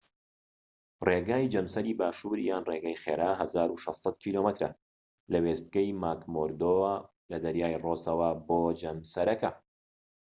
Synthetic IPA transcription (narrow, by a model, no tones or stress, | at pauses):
reːɡaːjd͡ʒɐmsɐɾiːbaːʃuːɾjaːnreːɡajχḛːɾaːɦɐzaːɾuʃɐst̪ˤsɑt̪kʰiːloːmɐt̪ɾɐ̰ | lɐweːst̪̚kɐjmaːkmoɾd̪oː | lɐd̪ɐɾjaːjroːsɐwɐboːd͡ʒɐmsɐɾɐkɐ